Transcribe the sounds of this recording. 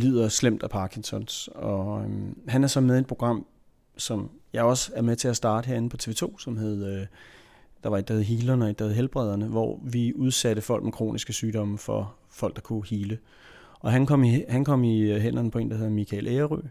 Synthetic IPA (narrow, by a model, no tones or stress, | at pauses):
lið̰ˠɐslem̰d̥æpʰɑ̈ːkʰiŋsʰɒ̽nsɒ̽ɦænæɐsɒ̽meðˠed̥̚pʰo̝ɡ̥ʁɑ̈m̰ | sɒ̽mjɑ̈ɪɒ̽sæɐmet͡sʰe̝æsd̥ɑ̈ːd̥əɦeɐ̰e̝n̩pʰɒ̽t͡sʰe̝ʋe̝ːt͡sʰo̝̰ːsɒ̽mɦeð̞ˠ | d̥ɑ̈ʋɑ̈eɡ̚d̥ɑheðˠɦiːlɐnəeɡ̥̚d̥ɑheðˠɦelb̥ʁɛð̞ˠɐnəʋɒ̰ʋiuð̞ˠsæɾ̥əfɒ̽l̰ɡ̥mekʰʁo̝̰ːnʔisɡ̥əsyːd̥ɒ̽məfɒ̽ | fɒ̽l̰ɡ̥d̥ɑ̈kʰuhiːlə | ʔɒ̽ɦænkʰɒ̽m̰ihænkʰɒ̽m̰iɦen̰ɐnəpʰɒ̽e̝ːnd̥heðˠɐmikʰælʔeːɐʁy̰